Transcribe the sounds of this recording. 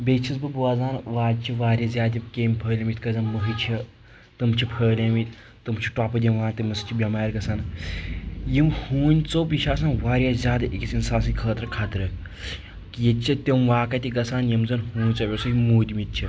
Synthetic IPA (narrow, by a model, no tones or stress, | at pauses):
bʲet͡ʃʰisbɨbuaːzaːnʋaːdʲt͡ʃʰiʋaːɾʲɐzʲaːt̪ʲikʲeːmʲpʰəːlʲɐmit̪ʲkɐzɐnməɦɨt͡ʃʰi | t̪ɨmt͡ʃʰipʰəːlʲemit̪ʲ | t̪ɨmt͡ʃʰi̥ʈaːpɐd̪ʲimʋaːnt̪imɐst͡ʃʰibʲɐmaːɾɡɐsaːn | jimhuːnʲt͡soːpiʃaːsanʋaːɾʲjazʲjaːd̪ɐʔikʲit͡sinsaːnsɐkʰəːt̪ɾkʰaːt̪ɾə | kjet͡ʃʰit̪ʲemʋaːkɐt̪ʲiɡɐsaːnjimzɐnhũːnʲt͡sɐʋʲesoimuːd̪ʲimit̪̚t͡ʃʰi